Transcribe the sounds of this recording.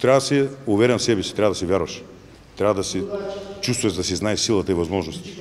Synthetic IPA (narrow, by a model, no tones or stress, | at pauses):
t̪ɾʲavɐɐsɛuvɛɾɛnsɛbɛsi̥t̪ɾavɐd̪ɐsɛvʲjaɾvɐʃ | t̪ɾavɐd̪ɐsɛt͡ʃust̪vɐd̪ɐsiznaɛsilˠɐt̪əivɐzmɔʒnost̪t̪